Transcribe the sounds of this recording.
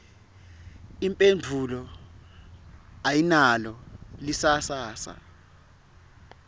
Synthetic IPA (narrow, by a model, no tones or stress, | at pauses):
impʼend͡vʱulɔ | ajinalɔlisasaːsa̰